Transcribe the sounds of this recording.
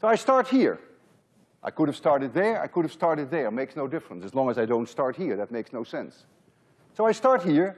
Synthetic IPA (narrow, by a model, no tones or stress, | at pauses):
soʊaɪstɑɹt̚hiɹ | ʔa̰ɪjkʊɾɨv̥stɑɹɾɨd̪̚ðə˞a̰jkʰʊɾɨv̥stɑɹɾɨd̪̚ðə˞ɨt̚meɪksnoʊdɪfɹə̃nsɨzlɔ̃ŋəzaɪdõʊ̃ntstɑɹt̚hiɹðɨt̚meɪksnoʊsɛ̃nsː | oʊaɪstɑɹt̚hiɹ